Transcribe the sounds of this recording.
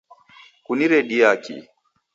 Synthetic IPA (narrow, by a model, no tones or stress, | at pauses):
kuniɾɛɗiakḭ